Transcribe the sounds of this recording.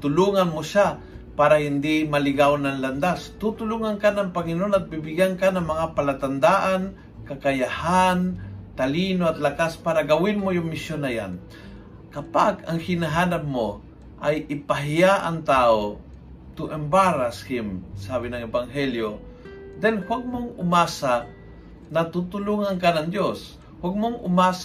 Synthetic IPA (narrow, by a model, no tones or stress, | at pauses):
t̪ʊluːŋɐnmoʃa | paːɾɐhɪnd̪imɐlɪɡawnɐnlɐnd̪ast̪ut̪ʊluŋankanɐŋpɐŋɪnoʔonɐt̪̚bɪbɪɡankanɐŋmɐŋapɐlat̪ɐnd̪aʔan | kɐkɐjahant̪ɐliːnoɐt̪lɐkaspaːɾɐɡɐwɪnmojʊŋmɪsjonɐja̰n | kɐpaɡɐŋhɪnɐɦaːnap̚mo | ʔajʔɪpɐɦɪjaʔɐ̰ŋt̪aːo | t̪ʊŋʔɛmbaɾashɪmsaːbɪnɐŋɛbaŋɦɛljo | d̪ɛnhwaɡ̚moŋʊmaːsa | nɐt̪ut̪ʊluŋaŋkanɐŋd̪jos | waɡ̚moŋʔʊ̰maːs